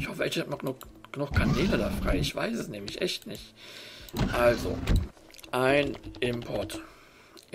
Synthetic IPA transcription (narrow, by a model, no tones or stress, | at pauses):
ɪçhɔfəʔɛnhatmaɡnʊɡ̥ənʊxkʰaneːləoːdɐfʁ̥a̰ɪɪçv̥a̰ɪsɛsnɛːmlɪçʔɛ̰çtnɪçt | ʔalzo̰ | ʔaɪnʔɪmpʰɔɐt